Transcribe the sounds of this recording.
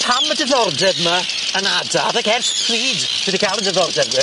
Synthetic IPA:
pʰamədɛðɔrdɛvma | ənadaðakɛrθtʰriːd | sədikʰajlˠəndɛðɔrdɛvə

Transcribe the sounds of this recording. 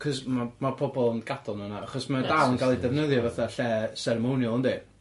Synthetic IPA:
kʰɔsmamapʰɔbɔlˠənɡ̥adɔlˠnənaaχɔsmadawnkʰalˠidɛvnəðjɔvaθaɬɛsɛɾɛmonjʊlˠəndi

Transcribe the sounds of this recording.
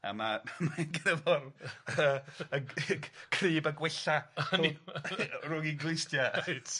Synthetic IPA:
a̰mamanɡnəvɔrəəkʰriːbaɡwɪɬan | rʊŋiɡlɪjstjat

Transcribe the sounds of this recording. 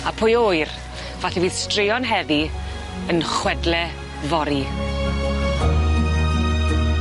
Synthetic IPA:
apʰʊjoɨr | vaɬiviːðstrɪjɔnɦɛvi | ənχwɛdlɛ | vɔɾi

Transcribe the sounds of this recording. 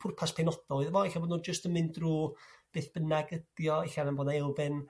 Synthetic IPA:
pʰʊrpʰaspʰɛnɔd̥ɔɨðvɔɪɬaboːdnuːnd͡ʒəstəmɨndruːb̥eːθb̥ənaɡəd̥jɔeɬanamboːdnaɛlˠvɪn

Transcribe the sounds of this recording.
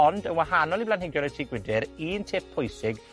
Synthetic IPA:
ɔndənwaɦanɔlˠiblanhɪɡjɔnɛtʰiːɡwɪdɪɾiːntʰɪp̚pʰːʊjsɪɡ

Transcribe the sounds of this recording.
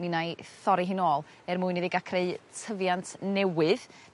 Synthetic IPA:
ninajθɔɾiɦɨnoːlˠ | ɛrmuːɨniðiɡakʰreɨtʰəvjantʰnɛwɨð

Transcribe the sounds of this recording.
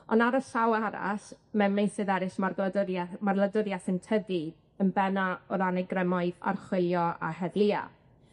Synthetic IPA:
ɔnaɾɔsawaɾa̰smɛnmejnsɨðɛɾɪsmardamarlˠədəɾjaθɪntʰəði | ənbɛnaɔɾanɛɡrɛmɔɨða̰rχwɪlˠjɔa̰hɛðlˠɪa̰

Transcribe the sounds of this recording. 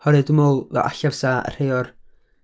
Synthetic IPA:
hɔɾɨdəmolˠvɛ̰ʔa̰ɬavsaə̰r̥hejɔr

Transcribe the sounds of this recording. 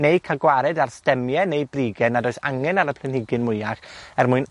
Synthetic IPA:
nejkʰaɡwaɾɛdarstɛmjɛnejbriɡɛnadoːjsa̰ŋɛnaɾəpʰlˠɛnhɪɡɨnmʊjaχɛrmʊɨn

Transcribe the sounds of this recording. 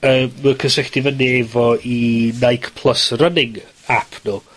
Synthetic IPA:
əːməkʰəsɪχd̥ivəneːvɔinajkʰpʰl̥ˠəsrənɪŋ | apʰnuː

